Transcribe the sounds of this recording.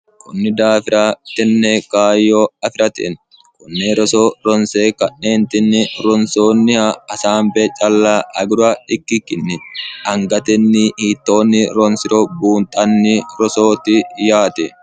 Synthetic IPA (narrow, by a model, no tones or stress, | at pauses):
kʊnːɪd̪aːfɪɾat̪ɪnːɛkaːjːoːɐfɪɾɐt̪ɪ̰n | kʊnːɛɾɔsoːɾɔnseːkɐnːe̞ːnt̪ɪnːɪɾɔnsoːnːɪhɐɐsaːmbɛːt͡ʃʼɐlːaːʔɐ̰ɡʊɾʊɐᶑɪkːɪkːɪnːɪɐŋɡɐt̪ɛnːɪhiːt̪ːo̞ːnːɪɾɔnsɪɾɔbuːnt̪ʼɐnːɪɾɔsoːt̪ɪjaːt̪ɛ